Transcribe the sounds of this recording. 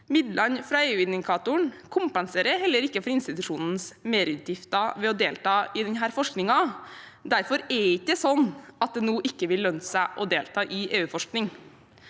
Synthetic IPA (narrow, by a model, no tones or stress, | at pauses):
mɪd̪lɑnfɾɑːeːʉːɪnɪkʰɑːt̪ʊɳkʰʊmpənseːɾəɦɛlːəɾɪkːəfɔɾɪnst̪ɪt̪ʉʂuːnn̩smeːɾʉt̪jɪft̪ɑʋɛɔd̪eːlt̪ɑːɪd̪ɛnɦæːɾfɔʂknɪŋɑ | d̪æɾfɔɾɛɾɪkːəsɔnːɑt̪̚d̪ɛːnuːʔɪkːəʋɪlːœnsæʔɔd̪eːlt̪ʰɑːʔɪʔeːʉːfɔʂknɪŋ